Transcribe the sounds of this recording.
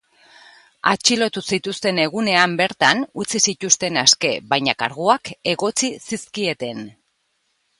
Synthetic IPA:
a̰t͡ʃilo̞t̪usit̪ust̪e̞ne̞ɣ̞une̞ambe̞ɾt̪anut͡sisit̪ust̪e̞naske̞βajɲakaɾɣuake̞ɣo̞t͡sisiskie̞t̪e̞n

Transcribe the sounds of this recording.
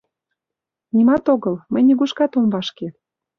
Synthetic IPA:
nʲimɑt̪oɣɤlmə̆jnʲiɣuʃkɑt̪ombɑʃke

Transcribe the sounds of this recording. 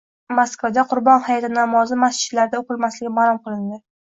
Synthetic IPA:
moskvad̪aqʰʊɾbɒnhajat̪ʰɪnamɒzɪmast͡ʃɪ̥t̪laɾd̪aoqɨlmaslɪɡʲɪmaɾˠʊmqɨlˠɪnd̪ɪ

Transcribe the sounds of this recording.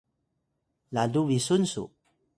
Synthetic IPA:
laduvisunsṵ

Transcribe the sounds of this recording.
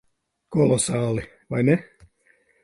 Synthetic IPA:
kolosɑːli | ʋɑjne

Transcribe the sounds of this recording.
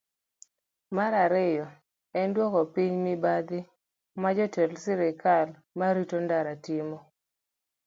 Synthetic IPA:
maɾaɾɪjɔ | ɛndwɔkɔpiɲmɪbad̪ɪ | mad͡ʒɔtelsɪɾɪkal | maɾitondaɾatimɔ

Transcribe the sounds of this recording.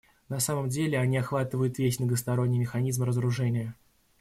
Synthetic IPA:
nɐsaməmdʲelʲɪɐnʲiɐxvat̪ɨvəjʊt̪vʲesʲnəɡəst̪ɐɾo̞nʲːɪjmʲɪxɐnʲizmɾəzəɾʊʐɛnʲɪjə

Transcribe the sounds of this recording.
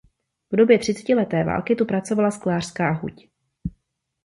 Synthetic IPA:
vdo̞bjɛt̪r̝̥ɪt͡sɛ̥cɪlɛt̪ɛːva̰ːlkɪt̪upɾat͡so̞valasklaːr̥skaːɦṵc

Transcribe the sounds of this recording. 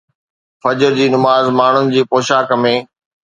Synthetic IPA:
fɐd͡ʑəɾd͡ʑiːnʊmaːzmaːɳ̤ʊnɪ̆d͡ʑiːpoːʃaːkmẽː

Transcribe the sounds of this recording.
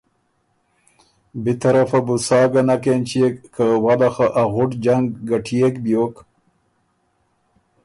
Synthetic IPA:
bit̪aɾafabusɑːɡanakent͡ʃekːawalaxaʔaɣʊʈd͡ʒaŋɡːaʈʰiekbjok

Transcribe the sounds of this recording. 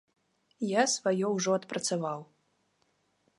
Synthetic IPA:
jasvajɔwʐɔɐt̪pɾɐt̪savaw

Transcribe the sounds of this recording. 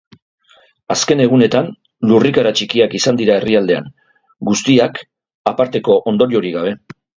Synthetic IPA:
aske̞ne̞ɣ̞une̞t̪an | lurikaɾat͡ʃikiakisand̪iɾae̞riald̪e̞a̰ŋ | ɡust̪iak | apaɾt̪e̞ko̞ʔond̪o̞ɾio̞ɾiɣaβ̞e̞

